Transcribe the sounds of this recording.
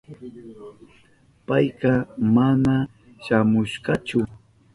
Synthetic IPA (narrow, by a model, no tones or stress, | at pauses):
pajɢɑmana | ʃamʊʃɢɑt͡ʃʊ